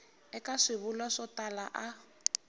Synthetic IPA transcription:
ɛkʼaʂɪβʊlaʂɔtʼalaʔa

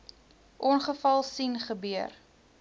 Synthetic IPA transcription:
ʔɔnχəfɐlˠsinχəbyər

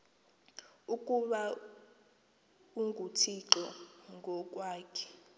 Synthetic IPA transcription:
ukʼuɓa | uŋɡʱutʰiǁɔŋɡʱɔk̬ʼwaːkʰɛ̥

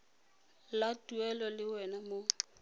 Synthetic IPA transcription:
latʼuɛlɔlɪwɛnamo

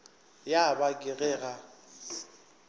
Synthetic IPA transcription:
jabakʼɪɣɛːɣa

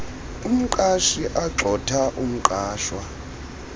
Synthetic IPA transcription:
um̩ǃʼaʃiʔaǁʱɔtʰaʔum̩ǃaːʃwa

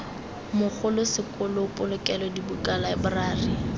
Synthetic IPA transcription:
mʊk͡xʰʊlʊsɪkʊlɔʊpʼʊlʊkʼɛlɔdibukʼalaɪbʊraːri

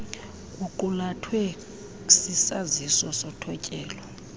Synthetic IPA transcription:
kʼuǃulatʰwɛ | sisazisɔsɔtʰɔcʼɛːlɔ

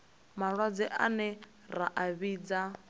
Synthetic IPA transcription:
maɺwad͡zɛʔanɛ | raʔaβiːd͡za

